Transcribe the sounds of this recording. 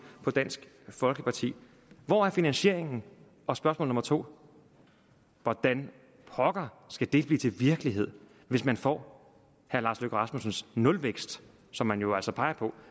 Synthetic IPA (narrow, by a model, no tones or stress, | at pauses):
pʰɒ̽d̥æn̰sɡ̥ | fɒ̽lɡ̥əpʰɑ̈t͡sʰḭː | ʋɒæɐfinænɕe̝ɐ̰e̝ŋn̩ | ʔɒ̽sb̥ɶɐsmɔ̰lnɔmɐt͡sʰo̝̰ː | ʋɒd̥æn | pʰɒɡ̥ɐ | sɡ̥æd̥e̝lb̥lḭːt͡sʰe̝lʋiɐɡ̥əliɦe̝ð̞̰ˠ | ʋe̝smænfɒ̰ː | hæɐlɑ̈ːsløɡ̥ɐʁɑ̈smusn̩snɔ̽lʋeɡ̥sd̥ | sɒ̽mːænjo̝æl̰sɒ̽pʰɑ̈ɪɐpʰɒ̽